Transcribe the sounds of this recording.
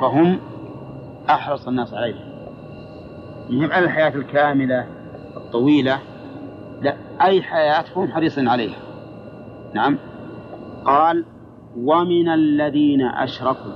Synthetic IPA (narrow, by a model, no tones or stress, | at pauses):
faɦʊm | ʔɑħɾˤɑsˤanːaːsʕalejham | jɪhɪmːʔalalħajaːt̪alkaːmɪla | ʔɨt̪ˤːɑwiːla | laʔʔajːħajaːt̪fahʊmħɑɾiːsˤiːnʕaleːha | naʕam | qɑːl | wamɪnalːaðiːna̰ʔa̰ʃɾˤɑkuː